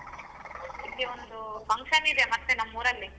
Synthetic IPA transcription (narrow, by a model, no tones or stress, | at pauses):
ilːiond̪upɐŋkʂɐnid̪emɐt̪ːenɐmːuːɾɐlːi